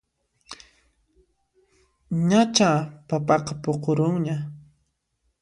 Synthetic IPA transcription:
ɲat͡ʃapapɑqɑpoqoɾʊŋɲa

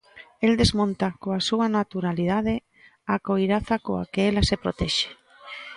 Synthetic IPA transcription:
eld̪ezmõnt̪akoasuanat̪uɾalið̞aðe | akojɾaθakoa̰keelasepɾot̪ɛʃe̥

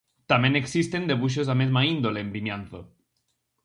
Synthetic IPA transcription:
t̪ameneksist̪e̞nd̪e̞βuʃ̬osamezmaind̪oleːmbimjanθo

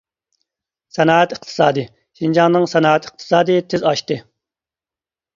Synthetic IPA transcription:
sɛnɑːɛt̪i̥qt̪ʰɨ̥sɑːd̪ɨ | ʃind͡ʒɑŋnɨŋsɛnɑːɛt̪ʰi̥q̚t̪ʰɨ̥sɑːd̪ɨt̪ʰɪzɑʃt̪ɨ

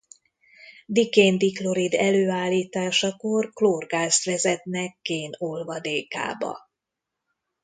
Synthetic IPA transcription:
d̪ikeːnd̪iklo̞ɾid̪ɛløːaːlːiːt̪aːʃɒkorkloːrɡaːst̪ʋɛzɛt̪nɛkːeːnolvɒd̪eːka̰ːbɒ̰

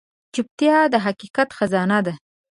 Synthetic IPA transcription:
t͡ʃʊp̚t̪jɑd̪əɦaqiqat̪xazɑnad̪a

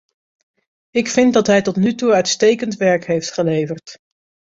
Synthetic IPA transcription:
ɪkfɪnt̚dɑtɦɛjtɔtnytuœɥtstejkəntʋɛɹkɦejftχəlejvəɹt

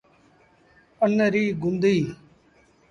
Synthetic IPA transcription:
ənɾiːɡʊnd̪iː

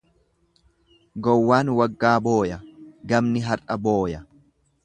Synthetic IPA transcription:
ɡɔwːaːnwɐɡːaːbo̞ːjɐɡɐmnɪɦɐɾʔɐbo̞ːjɐ

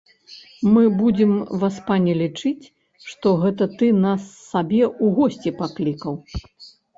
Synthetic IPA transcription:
mɨbud͡zʲɛmvaspanʲɛlʲit͡ʂɨt͡sʲ | ʂt̪ɔɣɛt̪ɐt̪ɨnasːabʲɛuɣɔsʲt͡sʲɛpaklʲikɐw

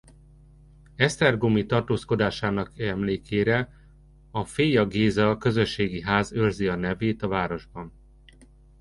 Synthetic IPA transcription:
ɛst̪ɛrɡomit̪ɒrt̪oːsko̞d̪aːʃaːnɒkɛmleːkʰeːɾɛ | ɒfeːjɒɡeːzɒkø̞zø̞ʃːeːɡiɦaːzørziɒnɛveːt̪ɒvaːɾo̞ʒbɒn

